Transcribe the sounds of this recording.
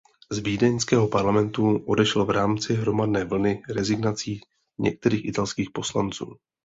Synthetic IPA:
zviːdɛnskɛːɦo̞paɾlamɛnt̪uʔo̞dɛʃɛlvɾaːmt͡sɪɦɾo̞madnɛːvl̩nɪɾɛzɪɡnat͡siː | ɲɛ̰k̚t̪ɛɾiːxʔɪt̪alskiːxpo̞slant͡sṵː

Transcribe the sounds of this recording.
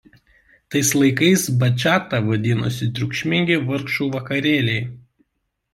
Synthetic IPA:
t̪ɐɪslˠɐɪkɐɪsbɐt͡ʃʲaːt̪ɐʋɐd̪ʲɪnʊ̰sʲɪt̪ʲɾʲʊkʃʲmʲɪŋʲɡʲɪʋɐɾkʃuːʋɐkɐɾʲeːlʲɛɪ

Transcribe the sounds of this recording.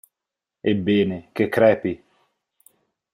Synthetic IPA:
ebenekekɾɛpi

